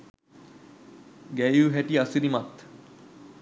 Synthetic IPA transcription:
ɡæjuɦæʈiasiɾimat̪

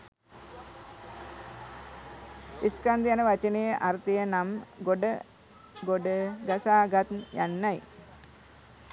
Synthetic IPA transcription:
iskand̪ijanəʋat͡ʃənejəʔart̪ijənamɡoɖə | ɡoɖəɡasaːɡat̪nja̰nːaj

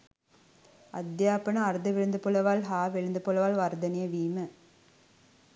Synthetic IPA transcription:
ɐd̪jaːpɐnɐ̃ɐɾðɐʋɪɻɯnd̪ɯpːɔɭɐʋaːlɦaːʋɛɻɯnd̪ɯpɔlɐʋaːlʋɐɾd̪ɐnɪjɐʋiːmɐ

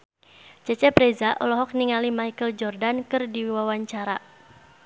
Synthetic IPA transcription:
t͡ʃɛt͡ʃɛpɾezaʔɔlɔɦɔk̚niŋalimajkəld͡ʒɔrdankɨrdiwawaɲt͡ʃaɾa

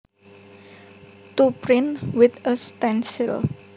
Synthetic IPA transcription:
t̪upɾɪnwɪt̪əst̪ɛnsɪl

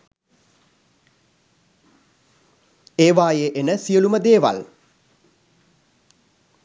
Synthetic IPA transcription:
eːʋaːjeʔenəsiəluməd̪eːʋa̰l

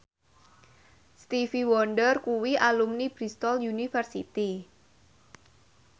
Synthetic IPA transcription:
st̪ifiwɔnɖərkuwiʔalumnib̥ɾist̪ɔljunifərsḭt̪i

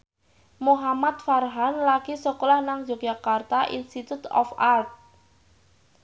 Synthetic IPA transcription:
moɦamat̪̚farɦanlaɡ̥isɔkɔlahnaŋd͡ʒʒak̚d͡ʒakart̪aʔḭnst̪it̪ut̪ɔ̰fart̪̚

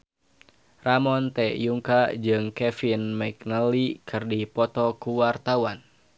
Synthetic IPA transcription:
ramɔnt̪ɛjuŋkad͡ʒɨŋkɛfinmɛk̚nəlikʰɨrdipɔt̪ɔkuwart̪awan

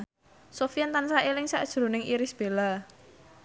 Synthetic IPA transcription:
sofiant̪ansaelɪŋsaʔd̥ʒ̥ɾṳnɪŋʔiɾɪsb̥e̤la

